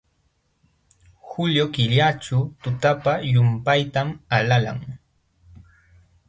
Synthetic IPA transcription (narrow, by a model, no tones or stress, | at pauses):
hʊʎjokɪʎat͡ʃʊt̪ʊt̪apajʊmpajt̪amalala̰ŋ